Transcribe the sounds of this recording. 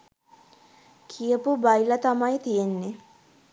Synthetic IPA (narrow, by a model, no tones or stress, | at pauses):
kʰijəpubajlɐt̪amajt̪ijenːe